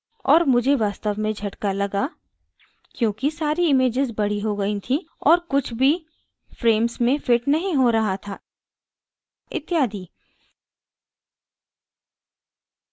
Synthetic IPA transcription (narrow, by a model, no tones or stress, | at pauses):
ɔːɾmʊd͡ʒʱeʋaːst̪əʋmẽd͡ʒʱɐʈkalɐɡa | kjõːkisaːɾiɪmeːd͡ʒɪzbɐɽ̤iɦoɡɐĩt̪ʰĩ | ɔːɾkʊt͡ʃʰbʱi | fɾeːmsmẽfɪʈnɐɦĩɦoɾɐɦat̪ʰaː | ɪ̰t̪jaːd̪iː